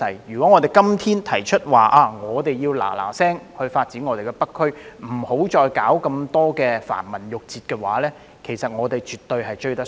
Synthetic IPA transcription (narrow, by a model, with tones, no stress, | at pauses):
ɐ˨˩jjyː˨˩kʷɔ˨˥ŋɔː˨˧t̪e˨jkɐ˥mt̪ʰiː˥nt̪ʰɐ˨˩jt͡ʃʰɵ˥t̚waː˨ʔaː˧ŋɔː˨˧t̪e˨jiː˧wla̰ː˨˩la̰ː˨˩sɛː˥ŋhɵ˧ɥfaː˧t̚t͡siː˨˥nŋɔː˨˧e˨jkɛ˧pɐ˥kʰːɵ˥ɥm̩˨˩ho˨˥wt͡ʃɔː˧jkaː˨˥wkɐ˧mt̪ɔː˥kɛː˧fa̰ː˨˩nmɐ˨˩njʊ˨k̚t͡siː˨t̚kɛː˧wa̰ː˨˥lɛː˥ | kʰe˨˩jsɐ˨t̚ŋɔː˨˧t̪e˨jt͡ʃyː˨t̪ːɵ˧ɥhɐ˨jt͡ʃɵ˧ɥt̪ɐ˥